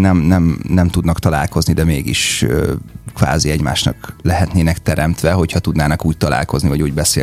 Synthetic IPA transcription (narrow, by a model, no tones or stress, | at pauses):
nɛmnɛmnɛmt̪ud̪nɒkt̪ɒla̰ːlko̞znid̪ɛmeːɡḭʃøkʋa̰ːziɛɟma̰ːʃnɒ̰klɛɦɛt̪neːnɛkt̪ɛɾɛmt̪ʋɛɦo̞chɒt̪ud̪naːnɒkuːc̚t̪ɒla̰ːlkoznivɒɟuːɟbɛseː